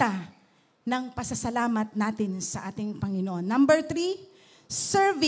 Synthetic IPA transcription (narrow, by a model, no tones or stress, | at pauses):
a | nɐŋpɐsɐsɐlaːmɐt̪̚naːt̪ɪnsɐʔaːt̪ɪŋpɐŋɪnoʔonːɐmbɛɹt̪ɾi | sɛɹvi